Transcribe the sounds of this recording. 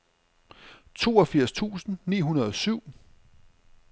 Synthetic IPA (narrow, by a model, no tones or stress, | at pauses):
t͡sʰo̝̰ːɒfiɐ̰st͡sʰṵːsn̩nḭːɦunɐð̞ˠɒ̽syʊ̰